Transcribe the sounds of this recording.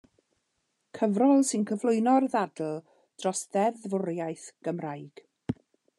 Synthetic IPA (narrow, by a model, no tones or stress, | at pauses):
kʰəvrɔlˠsɪnkʰəvlˠʊɨnɔrðadl̩ˠ | d̥rɔsðɛðvʊɾjajθɡ̥əmrajɡ̥